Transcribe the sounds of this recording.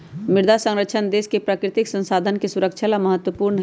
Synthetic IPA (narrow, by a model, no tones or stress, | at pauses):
mɪɾd̪ʱasə̃ŋɾəkʃʰənd̪eːskepɾaːkɾɪt̪ɪksə̃nsaːd̪ʱənkesuɾəkt͡ʃʰalaməɦət̪wəpuːɾnəɦ